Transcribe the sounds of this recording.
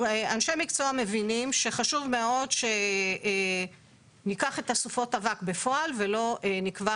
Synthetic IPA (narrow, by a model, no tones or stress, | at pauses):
eanʃe̞mikt͡soame̞vinimʃe̞χaʃuvme̞o̞dʃe̞ | nikaχe̞tasufo̞tavakbe̞fo̞alve̞lo̞ʔnikva